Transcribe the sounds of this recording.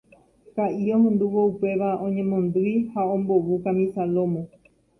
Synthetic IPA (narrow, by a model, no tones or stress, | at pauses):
kaʔiõɦẽnd̪uʋoupe̞ʋaõ̞ɲẽ̞mõ̞nd̪ɨjhaõ̞mbo̞ʋukamĩsalo̞mõ